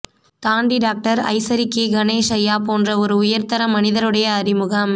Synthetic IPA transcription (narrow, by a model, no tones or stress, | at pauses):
t̪aːɳɖiɖaːk̚ʈɐɾɐ̰ɪsɐɾɪkːeɡɐneːʂɐjaːpoːndrɐɔɾɯʊjɐɾt̪ɐɾɐmːɐnɪðɐɾɯɽɐjɐːɾɪmɯɣɐm